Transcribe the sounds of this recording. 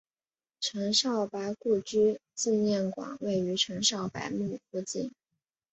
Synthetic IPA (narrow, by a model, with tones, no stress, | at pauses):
ʈ͡ʂʰɤ˧˥ŋʂɑ˥˩ʊpa˧˥ɪku˥˩t͡ɕy˥t͡s̩˥˧njɛ˥˩nkwɑ̰˨˩˦ŋwe˥˩ɪy˧˥ʈ͡ʂʰɤ˧˥ŋʂɑ˥˩ʊpa̰˧˥ɪmu˥˧fu˥˧t͡ɕi˥˩n